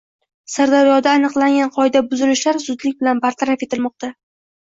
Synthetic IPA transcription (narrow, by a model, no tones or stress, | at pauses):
saɾd̪aɾijɒd̪aːnɨqlˠaŋʲanqʰɒɪd̪abʊzɪlɪʃlaɾsʊd̪lɪk̚ʲbɪlanbaɾt̪ʰaɾafe̞t̪ɪlmɒq̚t̪a